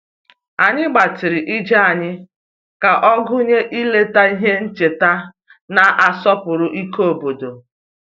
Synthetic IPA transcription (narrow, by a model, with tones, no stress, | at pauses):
a˨ɲɪ˦ɡ͡ba˨tɪ˨ɾɪ˨ʔi˦d͡ʒa˦a˨ɲɪ˦ | ka˨ʔɔ˦ɡʊ˦ɲe˦ʔi˦le˦ta˦i˦ɦe˦n̩˦t͡ʃe˨ta˦ | na˨ʔa˨sɔ˦pʊ˨ɾʊ˦ʔi˦ko˦o˨bo˨do˨